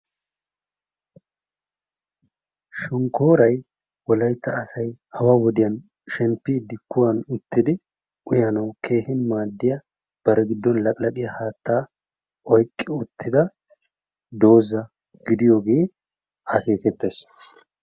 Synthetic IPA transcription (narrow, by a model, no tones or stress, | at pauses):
ʃʊŋkoːɾɐj | wɔlɐjt̪ːɐːsɐjhɐwawɔd̪ɪjɐn | ʃɛmpːɪːd̪ːɪkʊwɐnʊt̪ːɪd̪ɪ | ʊjɐnɐwkʰe̞ːhɪnmaːd̪ːɪjɐ | b̥ɐɾɛɡɪd̪ːɔnlɐkʼlɐɗɪjɐhaːt̪ːaː | ɔjkʼːɪʊt̪ːɪd̪ɐ | d̪o̞ːzɐ | ɡ̥ɪd̪ɪjo̞ːɡe̞ː | hɐke̞ːkɛt̪ːeːs